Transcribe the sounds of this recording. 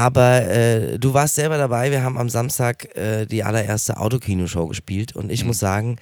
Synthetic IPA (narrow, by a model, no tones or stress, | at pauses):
ʔaːbɐʔɛ̰ːduːvaːɐstz̥ɛlbɐɾabaɪviːɐɦaːbm̩a̰mzamstaːkʔɛːd̥iːʔa̰lɐʔḛːɐstəʔa̰ʊtokʰiːnoʃoʊɡəʃpiːltʰʊ̰ntɪçmʊsz̥aːɡŋ̩